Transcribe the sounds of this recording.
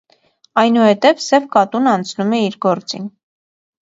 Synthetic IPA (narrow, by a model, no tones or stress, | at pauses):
ɑjnuhɛt̪ɛvsɛvkɑt̪unɑnt͡sʰnumɛiɾɡɔɾt͡sḭn